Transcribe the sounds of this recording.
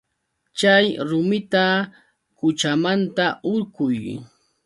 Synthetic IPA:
t͡ʃajɾʊmɪt̪a | kʊt͡ʃamant̪aʔʊɾkʊj

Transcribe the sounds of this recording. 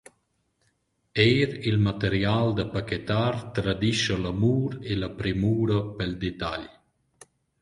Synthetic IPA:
ejɾilmat̪əɾjald̪əpakɛt̪aɾt̪ɾad̪iʃəlamuːɾelapɾemuːɾəpɛld̪et̪a̰ʎ

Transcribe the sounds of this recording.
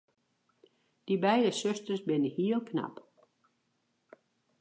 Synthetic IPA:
d̥ibɛjdəsøstərsbɪnəhiəlˠkʰna̰p

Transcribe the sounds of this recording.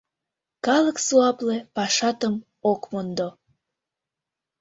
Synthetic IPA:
kɑləksuɑplepɑʃɑt̪əm | okmond̪o

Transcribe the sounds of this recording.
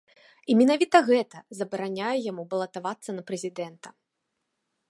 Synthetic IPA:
imʲinavʲit̪ɐɣɛt̪ɐzɐbɐɾanʲajɛjamubɐlˠɐt̪avat̪sːɐnɐpɾɛzʲid̪ɛnt̪ɐ

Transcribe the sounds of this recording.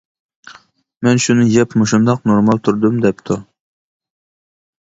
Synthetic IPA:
mɛnʃunɨjɛpmuʃund̪ɑqnoɾmɑlˠt̪ʰuɾd̪ɨmd̪ɛp̚t̪ʰu

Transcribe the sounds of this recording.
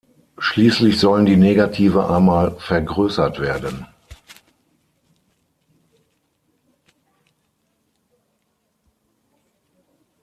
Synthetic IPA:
ʃliːslɪçz̥ɔləndiːneːɡatʰiːvəʔa̰ːmaːlfɛɐɡʁøːsɐtv̥eːɐdən

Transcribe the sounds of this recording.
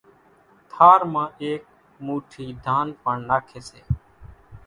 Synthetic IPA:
t̪ʰaːɾmãːʔeːk̚ | muːʈʰiːd̪ʱaːnpəɳːaːkʰeːseː

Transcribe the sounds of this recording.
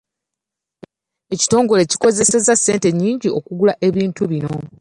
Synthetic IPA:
e̞ci̥to̞ːŋɡo̞le̞ci̥ko̞ze̞sezasːe̞ːnte̞ɲːiːɲɟio̞kuɡulaʔe̞βiːntuβino̞

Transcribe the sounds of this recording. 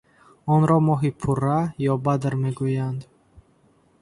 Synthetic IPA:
ɔnɾɔmɔɦipʰurajɔbad̪ɾmeɡujand̪

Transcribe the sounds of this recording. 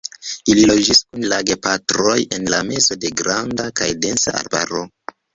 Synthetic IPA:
ililo̞d͡ʒiskunlaɡe̞patɾo̞je̞nlame̞zo̞de̞ɡɾandakajde̞nsa̰a̰ɾba̰ɾo

